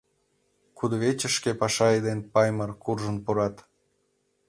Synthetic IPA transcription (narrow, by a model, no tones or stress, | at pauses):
kud̪oβet͡ɕə̆ʃkepɑʃɑed̪enpɑjmərkurʒə̆npuɾɑt̪